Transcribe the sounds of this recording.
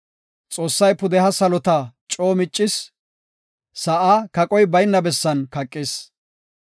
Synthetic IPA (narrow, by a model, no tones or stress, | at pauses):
t͡sʼo̞ːsːɐjpʊd̪ɛɦɐsɐlɔt̪ɐt͡ʃʼoːmɪt͡ʃʼːɪs | sɐʔaːkɐkʼɔjbɐjnːɐbɛsːɐnkɐkʼːɪs